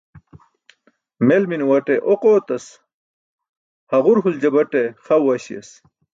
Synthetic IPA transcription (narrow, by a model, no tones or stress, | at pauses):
melminwɐʈeʔoqoːt̪ɐs | hɐʁuɾɦuld͡ʑɐbɐʈeχɐwːɐɕḭɐ̰s